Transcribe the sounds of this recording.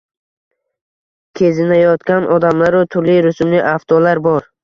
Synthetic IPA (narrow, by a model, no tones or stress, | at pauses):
kʲʰezɪnajɒt̪kʲanʔɒd̪amlaɾʊt̪ʰʊɾliɾʊsmlɪʔaft̪ʰɒlaɾbɒɾ